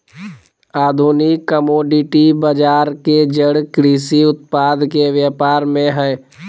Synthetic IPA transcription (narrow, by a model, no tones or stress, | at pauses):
aːd̪ʱuːnɪkːəmoːɖɪʈibəd͡ʒaːɾked͡ʒəɽkɾiːsiʊt̪paːd̪ʱkeʋjaːpaːɾmẽɦɛː